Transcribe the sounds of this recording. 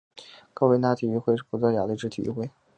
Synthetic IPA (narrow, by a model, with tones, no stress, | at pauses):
kʊwe˥˧ɪna˥t̪ʰi˨˩y˧˥xwe˥˧ɪʂɻ̩˥˩pʰu˧˩t͡swɔ˥˩jɑ˨˩lə˧ʈ͡ʂɻ̩˥t̪ʰḭ˨˩y̰˧˥˩xwe˥˩ɪ